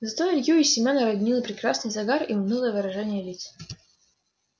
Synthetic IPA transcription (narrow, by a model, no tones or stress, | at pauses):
zɐt̪oɪlʲjuɪsʲːɪmʲonəɾɐɡʲnʲilˠəpɾʲɪkɾasnɨjzɐɡariʊnʲɨlˠəvɨɾɐʐɛnʲɪjəlʲit̪s